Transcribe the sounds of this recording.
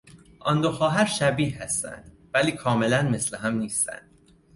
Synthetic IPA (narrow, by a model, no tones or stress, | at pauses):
ʔɒnd̪oxɒːɦæɾʃæbiːhæst̪æ̰nd̪̥ | væliːkʰɒːme̞lænme̞sleɦæmniːst̪æ̰nd̪̥